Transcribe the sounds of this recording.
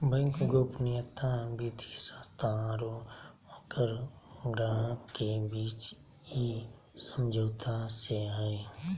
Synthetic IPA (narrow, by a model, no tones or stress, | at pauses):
bə̃ŋkɡoːpnɪjət̪abiːt̪ʰisəst̪ʰaɾo | əkəɾɡɾaːkebiːt͡ʃ | i | səmd͡ʒʱoːt̪ʰaseɦɛe